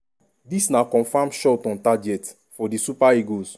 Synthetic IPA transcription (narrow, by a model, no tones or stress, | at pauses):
disnakɔ̃nfãmʃɔtɔ̃ntad͡ʒɛt | fɔdisupaiɡos